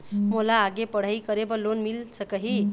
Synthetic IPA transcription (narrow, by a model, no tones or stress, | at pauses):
molaːɡepəɽ̤əjkəɾebəlonmilsəkəɦi